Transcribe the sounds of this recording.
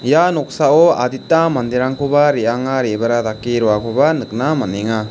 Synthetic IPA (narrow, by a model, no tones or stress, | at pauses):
janɔk̚saɔaditːamand̪iɾaŋkʰobaɾeaŋaɾebaɾadakiɾɔwakʰubanɯk̚namaneŋa